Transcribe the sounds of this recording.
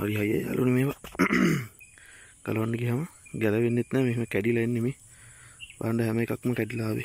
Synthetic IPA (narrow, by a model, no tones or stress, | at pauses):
a̰ɾiɦajːa̰ja̰ːlʔunəmeːʋa | ɡ̥a̰lɐʋaɳɖəɡiɦaməɡæləʋenːet̪nɛːmeɦməkæɖilaenːeme | ʋa̰ːɳɖəɦæməekakməkæɖilaːʋḛ